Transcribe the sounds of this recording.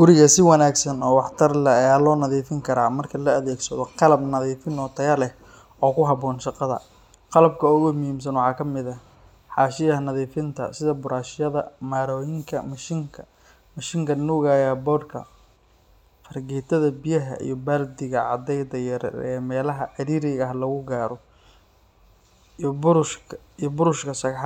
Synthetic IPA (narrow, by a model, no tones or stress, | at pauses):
ɡ̥ʊɾɪɣɐsɪwɑnaːɡsɐnɔːwɑħt̪ʰɐrlɐaːlɔːnɐðiːfɪŋkʰɐɾaːmɐrkʰɐlɐːðɛːɡsɐðɔqɑlɐbnɐðiːfɪnɔːt̪ʰɐjɐlɛh | ɔːkʰʊɦɑβɔːnʃɑqɑðɐ̰ | qɑlɐb̚kʰɐʊɣʊmʊhiːms̬ɐnwɑħɑːkʰɐmɪðɐ | ħɑːʃɪjɐhɐnɐðiːfɪnt̪ʰɐ̰sɪðɐbʊɾaːʃjɐðɐmaːɾɔːjɪŋkʰɐmɐʃɪŋkʰɐ | mɐʃɪŋkʰɐnuːɣaːjɛbɔːrkʰɐ̰ | fɐrɡɛːt̪ʰɐðɐbijɐɦɐ̰ʔḭjɔbaːld̪ɪɣɐʕɑd̪ɛjd̪ɐɛmɛːlɐɦɐʕɪɾiːɾɪɣɐɦlɐɣʊɡaːɾɔ | b | ijbʊɾʊʃkʰɐʃɐɣħ